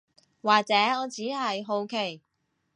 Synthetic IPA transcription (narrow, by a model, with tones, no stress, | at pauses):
waː˨k̚t͡sɛː˨˥ɔː˨˧t͡siː˨˥ɦɐ˨jɦo˧wkʰe˨˩j